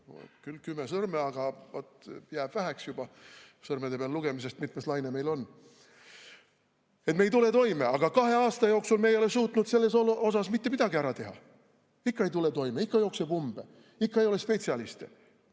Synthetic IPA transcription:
o̰kylkymːesɤrmeɑɡ̥ɑvot̪jæːb̥væɦæksjub̥ɑsɤrmed̪e̞peɑlːuɡ̥e̞mis̬e̞st̪mit̪ːmest̪lɑjneme̞jlo̞nː | et̪me̞jt̪ule̞t̪o̞jme̞ɑɡ̥ɑkɑɦe̞ɑːst̪ɑjo̞ːksulmejo̞lesuːt̪nud̪se̞lːe̞soo̞sɑsmit̪ːe̞mid̪̥ɑɡiæɾɑt̪e̞ɦɑ̰ | ikːɑe̞jt̪ulet̪o̞jmeikːɑjo̞ːksebumb̥e | ikːɑejo̞lespe̞t̪siɑlist̪ḛ

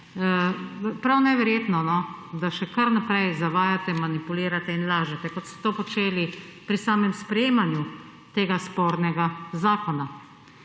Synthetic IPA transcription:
pɾawnɛʋɛɾjeːt̪nɔnɔ | d̪aʃɛkɐɾnapɾɛjzaʋaːjat̪ɛmanipuliːɾat̪ɛinlaːʒɛt̪ɛkɔt̪sɔ̥t̪oːpɔt͡ʃeːlipɾisaːmɛmspɾɛjeːmanju | t̪eːɡaspoːɾnɛɡazaːkɔna

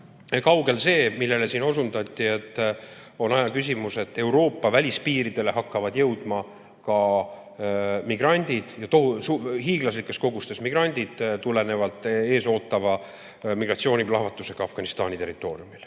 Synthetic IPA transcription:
kɑwɡe̞lse̞ːmilːe̞lesiːno̞sund̪ɑt̪ʲːˑie̞t̪ːˑ | o̞nɑjɑkys̬ʲimuse̞t̪ːˑe̞wɾo̞ːpːɑvælʲispiːɾid̪̥e̞le̞ɦɑkːɑvɑd̪jɤwd̪̥mɑ | kɑ | miɡ̥rɑnʲd̪̥id̪̥jɑt̪oɦusuhiːɡ̥lɑslikːˑe̞sko̞ɡust̪e̞smiɡ̥rɑnʲd̪̥id̪̥t̪ule̞ne̞vɑlt̪ːˑe̞ːso̞ːt̪ːˑɑvɑ | miɡ̥rɑt̪sio̞ːnʲiblɑɦvɑt̪ːˑuse̞ɡ̥ɑɑfɡ̥ɑnist̪ɑ̰ːnʲit̪e̞rit̪ːˑo̞ːriumil

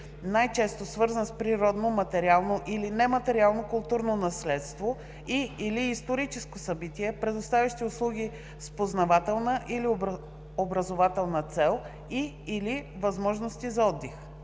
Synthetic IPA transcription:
najt͡ʃɛst̪osvɤɾzənspɾiɾɔd̪nomɐt̪ɛɾialˠnoʔilinɛmɐt̪ɛɾialˠnokʊlˠt̪uɾnonɐslɛt̪st̪vo | iiliːst̪oɾit͡ʃɛskosɐbit̪ʲiɛpɾɛd̪ʊst̪avʲɐʃt̪iʊslˠuɡ̟i | spoznɐvat̪ɛlˠnəʔili | obɾɐzovat̪ɛlˠnət̪sɛlˠ | iː | li | vɐzmɔʒnost̪izɐɔd̪ːɛx

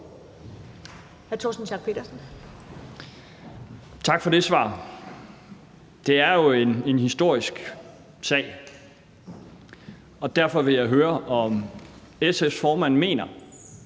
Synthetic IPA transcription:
hæɐt͡sʰɔ̰ːsn̩ɕɑ̈ɡ̥pʰe̝ːd̥ɐsn̩ | t͡sʰɑ̈ɡ̥fɒ̽de̝sʋɑ̰̈ː | d̥e̝æɐjo̝e̝ne̝nhisd̥o̝ɐ̰isɡ̥ | sɛ̰ɪ | ɒ̽d̥æɐfɒ̽ʋe̝jɑ̈ɪɦøːɐʔɒ̽m | esefsfɒːmæn̰me̝̰ːnɐ

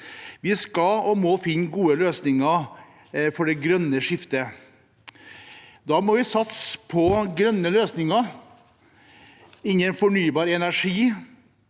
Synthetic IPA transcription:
ʋɪskɑlɔmɔfɪnːɡuːəløːsnɪŋə | fɔɖɛɡɾœnːəʂɪft̪ə | d̪ɑːmɔʋɪsɑt̪spʰɔɡɾœnːəløːsnɪŋə | ɪnːɛnfɔɳyːbɑːɾɛnæʂiː

